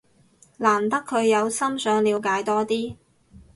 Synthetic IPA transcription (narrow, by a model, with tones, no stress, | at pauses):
laː˨˩nt̪ɐ˥kʰːɵ˨˧ɥjɐ˨˧wsɐ˥msœː˨˧ŋliː˨˧wkaː˨˧jt̪ɔː˥t̪iː˥